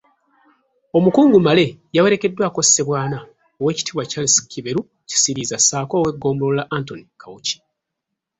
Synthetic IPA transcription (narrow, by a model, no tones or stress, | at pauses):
o̞mukuːŋɡumale̞jawe̞ɾe̞ke̞dːwaːko̞sse̞βwaːna | owe̞ːci̥tʰiːβwacalisi̥kʰiβeɾu | ci̥siɾizasaːko̞ːwe̞ɡo̞ːmulolaʔantonikawuci̥